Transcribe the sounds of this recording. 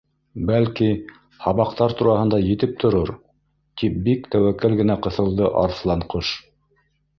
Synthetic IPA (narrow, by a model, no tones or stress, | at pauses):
bælki | hɑβɑq̚t̪ɑɾt̪uɾɑhɤ̆nd̪ɑjɘ̆t̪ɘp̚t̪ʰŏɾoɾ | t̪ip̚bikt̪æwækːælɡɘ̆næqɤ̆θɤ̆lˠd̪ɤʔɑ̰ɾθlˠɑɴqɤʃ